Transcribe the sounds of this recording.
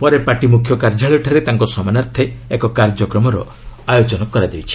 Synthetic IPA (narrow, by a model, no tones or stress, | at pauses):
pɔɾepaʈimukʰjɔkaɾd͡ʒʱaɭɔʈʰaɾet̪aŋkɔsɔmanaɾt̪ʰeːkɔkaɾd͡ʒɔkɾɔmɔɾɔ̰ | ajot͡ʃɔnɔkɔɾad͡ʒajt͡ʃʰi̥